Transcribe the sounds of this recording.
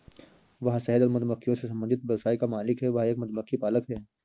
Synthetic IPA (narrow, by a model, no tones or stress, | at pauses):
ʋɐɦsɛɦɛd̪ɔɾmʊt̪əməkːijõsesɐ̃mbə̃nd̪ɪt̪̚bɐɾsaːikamaːlɪkɦɛʋɐɦeːk̚mʊt̪məkːipaːləkɦɛː